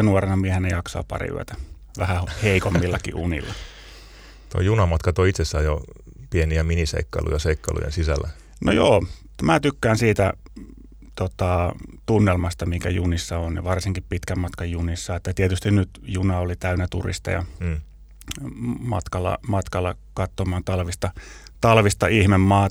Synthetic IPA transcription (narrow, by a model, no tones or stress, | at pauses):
nuorenɑmiehenejɑksɑ̰ːppɑ̰rḭy̰æ̰t̪æ | ʋæhæhheikomːilːɑkḭʔunḭlːɑ | t̪o̰ijunɑmɑt̪kɑt̪oit̪sesːæːjo | pieniæminisḛikːɑ̰lʔṵjɑseikːɑlṵjḛnsisælːæ | no̰joː | mæːt̪ykːæːnsiːt̪æ | t̪ot̪ɑt̪unːelmɑst̪ɑmiŋkæ̰junisːɑonnḭʋɑrsiŋkippit̪kæmmɑt̪kɑjjunisːɑet̪ːæt̪iet̪yst̪innyt̪junɑolit̪æynæt̪ṵrḭst̪ɑ̰jɑ̰ | mɑ̰t̪kɑlːɑ̰mɑt̪kɑlːɑ | kɑt̪ːomɑːnt̪ɑlʋist̪ɑt̪ɑlʋist̪ɑihmemːɑː